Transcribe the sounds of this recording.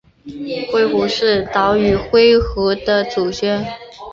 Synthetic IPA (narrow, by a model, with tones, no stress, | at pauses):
xwe˥˧ɪxu˧˥ʂɻ̩˥˩t̪ɑ˧˥ʊy˨˩xwe˥ɪxɤ˧˥d̪ə˧ʈ͡ʂu˨˩t͡ɕɥɛ˥n